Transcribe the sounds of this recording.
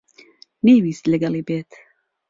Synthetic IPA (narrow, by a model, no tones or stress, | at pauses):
nejwiːst̪lɨɡɐlˠiːbeːt̪ʰ